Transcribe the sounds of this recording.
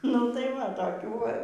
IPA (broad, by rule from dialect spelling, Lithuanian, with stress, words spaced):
nʊ tɐɪ ʋɐ toːˈkʲuː ˈʋɐ